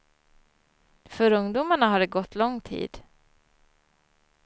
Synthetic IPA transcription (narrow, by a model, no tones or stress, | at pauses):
fœɾɵŋd̪uːmaɳaɦaɖɛɡɔt̪ʰːlɔŋːt̪ʰḭːd̪